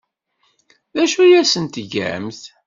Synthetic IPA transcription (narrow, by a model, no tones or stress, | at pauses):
ðæʃujæsənt̪ʝæ̰mθ